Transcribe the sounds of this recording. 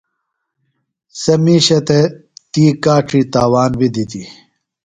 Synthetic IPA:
sɐmiːɕɐt̪et̪iːkaːʈ͡ʂʰit̪aːwaːnbid̪it̪i

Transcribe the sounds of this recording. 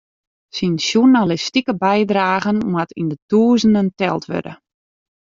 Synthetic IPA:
sinsjunalistikəbɛjdraːɣənmwatʰḭndətuːzənəntɛ̰lˠtʰʋø̰də̰

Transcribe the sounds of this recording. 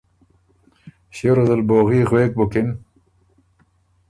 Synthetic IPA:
ɕeɾɐzɐlboːɣiːɣweːk̚bokin

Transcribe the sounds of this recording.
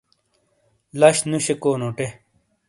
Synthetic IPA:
lɐɕnuɕekoːnoʈe

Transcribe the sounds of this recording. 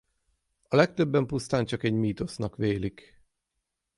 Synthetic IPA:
ɒlɛk̚t̪øbːɛmpust̪aːnt͡ʃɒkɛɟmiːt̪o̞snɒkʋeːlik

